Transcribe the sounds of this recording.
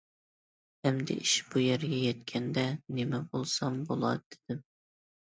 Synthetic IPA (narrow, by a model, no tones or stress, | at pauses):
hɛmd̪ɪ̰ʔiʃb̥ujæɾɡʲɛjɛt̪̚kʲʰɛnd̪ɛnemɛbolˠsɑmbolˠɑ̰d̪ɪd̪̥ɪm